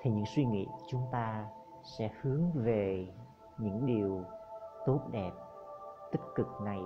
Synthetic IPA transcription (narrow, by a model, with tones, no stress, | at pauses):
t̪ʰeː˧˩ɲɨ̰˧˥ŋswi˧ŋḭ˧˥˨t͡ɕʊ˨˦ŋ͡mt̪aː˧ | sɛ̰˧˥hɨ˨˦əŋve˨˩ | ɲɨ̰˧˥ŋɗi˨˩əwt̪o˦˥t̚ɗɛ˨˩p̚t̪ï˦˥k̚kɨ˨˩k̚na˨˩j